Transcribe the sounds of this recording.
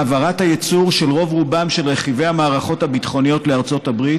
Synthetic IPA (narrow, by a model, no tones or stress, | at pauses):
avaʁathajet͡suʁʃelʁo̞vʁubamʃe̞lʁeχive̞jamaːʁaχo̞thabit̪χo̞nijo̞t̪leaʁt͡so̞tabʁit